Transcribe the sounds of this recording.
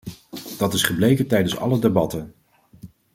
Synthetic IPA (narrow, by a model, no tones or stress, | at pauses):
d̥ɑtɪsχəblejkəntɛjdənsɑ̰lədebɑtən